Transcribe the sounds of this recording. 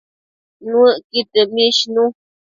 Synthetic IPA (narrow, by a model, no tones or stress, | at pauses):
nũəkit̪emĩʃnũ